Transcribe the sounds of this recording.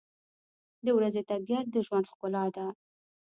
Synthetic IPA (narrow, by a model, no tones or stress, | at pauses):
d̪əwɾazet̪abijat̪̚d̪əʒwand̪xkʊlɑd̪a